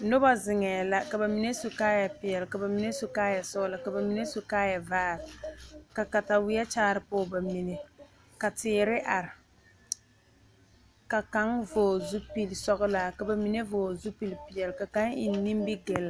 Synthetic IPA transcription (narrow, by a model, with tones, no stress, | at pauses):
nʊ˦ba˦zɪ˨ŋɛː˨la˦ka˨ba˨mi˨ne˦su˨kaː˦ja˨pɪ˨jɛ˨lka˨ba˨mi˨ne˦su˨kaː˦ja˨sʊ˦la˨ka˨ba˨mi˨˦ne˦su˨kaː˦ja˨vaː˦˨ɾɪ˨ka˨ka˨ta˨wɪ˦jɛ˦t͡ʃaː˦ɾɪ˨pʊ˦ba˨mi˨ne˨ | ka˨tɪː˨˦ɾɪ˦ʔa˨ɾɪ˨ | ka˨ka˨˦ŋvoː˨zu˦pi˦lsɔ˦ɣʊ˦la˨ka˨ba˨mi˨ne˦voː˨zu˦pi˨lpɪ˨jɛ˨lka˨ka˦ŋɪ˨n˦ni˦mbi˦ɡɛ˨lːa˨